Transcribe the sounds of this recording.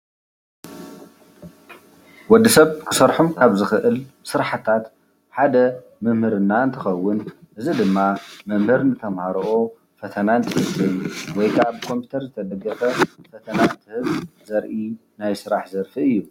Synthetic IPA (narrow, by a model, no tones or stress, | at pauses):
wɔd̪ːisɐβkʰɨ̥sɐɾħumkʰaβzɨxɨʔɨlsɨɾħat̪ʰat̪ | ħad̪ɐ | mɨmhɨɾɨnːaɨnt̪ʰɨxɐwːʊn | ʔɨzid̪ɨmːamɨmhɨɾnɨt̪ʰɐmhaɾɐʔo | fɐt̪ʰɐnant̪ʰɨhɨβzɐjuwɔjkʰabkʰo̞mpʰu̥t̪ʰɐɾzɨt̪ʰɐd̪ɐɡːɐfɐfɐt̪ʰɐnant̪ʰɨhɨβzɐɾʔi | najsɨɾaħzɐɾfiɨjːu